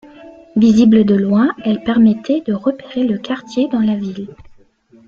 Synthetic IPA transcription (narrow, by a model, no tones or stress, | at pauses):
vizibləd̪əlwɛ̃ɛlpɛʁmɛt̪ʰɛd̪əʁəpeʁeləkaʁt̪jed̪ɑ̃lavil